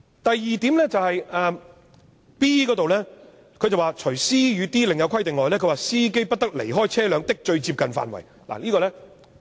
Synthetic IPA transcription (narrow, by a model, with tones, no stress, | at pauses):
t̪ɐ˨jːiː˨˧t̪iː˨˥mlɛː˥t͡sɐ˨whɐ˨jɛː˨˧ | piː˥kɔː˨˥t̪o˨wlɛː˥ | kʰɵ˧jt͡sɐ˨waː˨t͡ʃʰɵ˨˩ɥsiː˥jyː˨˧t̪iː˥lɪ˨ŋjɐ˧wkʰɐ˥jt̪ɪ˨ŋlɔː˨jlɛː˥kʰɵ˧waː˨siː˥ke˥jpɐ˥t̚t̪ɐ˥k̚lḛ˨˩jɦɔː˥jt͡sʰɛː˥lœː˨˧ŋt̪ɪ˥k̚t͡ʃɵ˧ɥt͡siː˧p̚kɐ˨nfa̰ː˨nwɐ̰˨˩j | la̰˨˩liː˥kɔː˧lɛː˥